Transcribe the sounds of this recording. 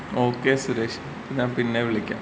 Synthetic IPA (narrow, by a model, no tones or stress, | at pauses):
oːkːesuɾekʂɐ | pːeɲaːnpinːeʋiɭɐkʲːa̰ː